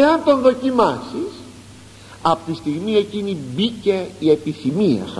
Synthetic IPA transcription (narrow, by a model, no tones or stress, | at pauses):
eɐnt̪o̞nðo̞cimɐsis | ɐpot̪ist̪iɣmie̞cinibice̞ie̞piθimiɐ̰s